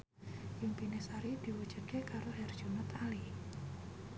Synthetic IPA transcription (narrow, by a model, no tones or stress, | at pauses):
jʊŋpinesaɾid̪̥i̤wud̥ʒ̥ṳd̪̚kekaɾoɦɛrd̥ʒ̥unət̪ali